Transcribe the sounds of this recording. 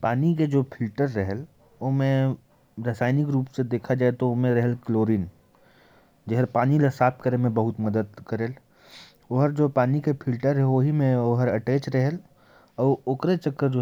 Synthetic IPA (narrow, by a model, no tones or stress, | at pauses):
paːniked͡ʒoːpʰɪlʈəɾːɛɦɛl | oːmẽ | ɾəsaːɪnɪkɾuːpsed̪eːkʰad͡ʒaːet̪oomẽɾɐɦɛlkloːɾiːn | d͡ʒeɦəɾpaːnilɐsaːpt̪kəɾemẽbɐɦʊt̪mɐd̪əd̪kɐɾeːl | oɦəɾd͡ʒoːpaːnikepʰɪlʈəɾɦɛʋoɦimẽoɦəɾɐʈeːt͡ʃɾɐɦɛl | ɔːʊkɾet͡ʃɐkːəɾd͡ʒoː